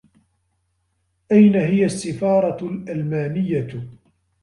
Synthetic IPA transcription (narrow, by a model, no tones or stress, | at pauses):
ʔajnaɦɪjasːɪfɑːɾˤɑlʔalmaːnɪjːa